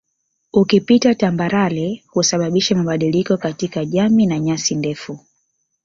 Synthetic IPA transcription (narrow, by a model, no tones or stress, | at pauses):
ukipitatambaɾalɛhusaɓaɓiʃɛmaɓaɗilikɔkatikaʄaminaɲasindɛfu